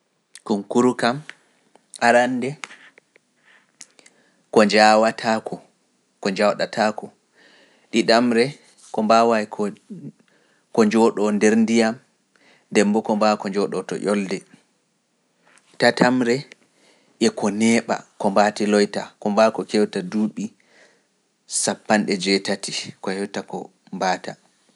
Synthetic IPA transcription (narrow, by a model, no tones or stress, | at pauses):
kumkuɾukam | aɾandɛ | kɔd͡ʒawatʰakɔ | kɔɲd͡ʒawɗatʰakɔ | ɗiɗamɾɛ | kɔmbawajkʰ | kɔɲd͡ʒɔɗɔndɛɾndijam | dɛmbɔkɔmbakɔɲd͡ʒɔɗɔtɔ̰ʔɔldɛ | tatʰamɾɛ | ʔɛkɔnɛːɓa̰kɔmbatilɔjtakɔmbakɔkewtaduːɓi | sapːanɗɛd͡ʒɛtatikɔhewtakɔ | mbaːta